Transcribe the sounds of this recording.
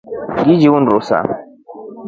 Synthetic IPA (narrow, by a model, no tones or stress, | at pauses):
ɡid͡ʒiwunɾosa̰